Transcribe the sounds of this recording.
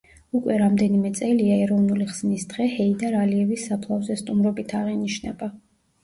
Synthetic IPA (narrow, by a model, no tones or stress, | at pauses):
ukʼwɛɾamd̪ɛnimɛt̪sʼɛliaɛɾɔvnuliχz̥nisd̪̥ʁɛhɛid̪aɾaliɛvisːapʰlˠavzɛst̪ʼumɾɔbit̪ʰaʁiniʃnɛ̰ba